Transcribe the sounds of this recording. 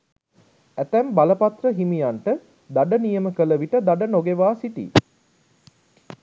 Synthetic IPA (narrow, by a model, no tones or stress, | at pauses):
æt̪æmbaləpat̪rəɦimijaɳʈə | d̪aɖənijəməkələʋiʈəd̪aɖənoɡeʋaːsiʈḭ